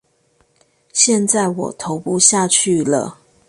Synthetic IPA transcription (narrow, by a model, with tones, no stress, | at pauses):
ɕjɛ˥˨nt͡sa˥˩ɪwɔ̰˨˩t̪ʰo˨˦ʊpu˥˧ɕja˥˧t͡ɕʰy˥˨lə̰˩